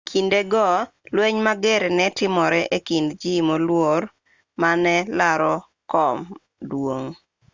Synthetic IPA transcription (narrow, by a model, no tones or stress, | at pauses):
kʰindeɡɔlweɲmaɡeɾnɛtɪmɔɾɛʔekindd͡ʒimolwor | manɛlaɾɔ | kɔm | dwoŋ